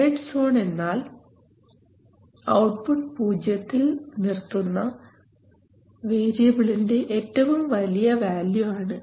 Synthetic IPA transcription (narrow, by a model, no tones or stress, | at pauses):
eːʈso̞ːɳe̞nːaːl | ɐwʈpuʈ̚puːd͡ʑjɐt̪ːilnirt̪ːunːɐ | ʋe̞ːɾijɐbiɭinde̞ʔetːɐʋumʋɐlijɐʋaːljuaːɳɨ